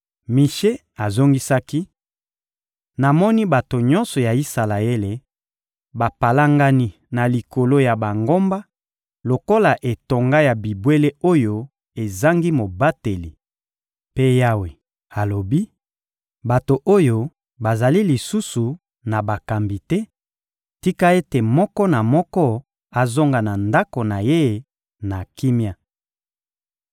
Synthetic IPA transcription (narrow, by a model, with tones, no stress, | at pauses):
mi˨ʃe˦ | a˨zo˦ŋɡi˦sa˦ki˦ | na˨mɔ˦ni˦ba˨to˨ɲɔ̃˦nsɔ˨ja˨i˦sa˨la˨e˦le˨ | ba˨pa˨la˦ŋɡa˦ni˦ | na˨li˨ko˨lo˦ja˨ba˨ŋɡo˦mba˦ | lo˨ko˦la˨ʔe˨to˨ŋɡa˦ja˨bi˨bwe˦le˦o˦jo˦ | e˨za˦ŋɡi˦mo˨ba˦te˨li˨ | pe˦ja˦we˨ | a˨lo˨bi˦ | ba˨to˨ʔo˦jo˦ | ba˨za˨li˦li˨su˦su˨ | na˨ba˨ka˨mbi˨tɛ˦ | ti˦ka˦e˦te˨mɔ˦kɔ˦na˨mɔ˦kɔ˦ | a˨zo˦ŋɡa˨na˨nda˦ko˨na˨je˦˨ | na˨ki˦mja˦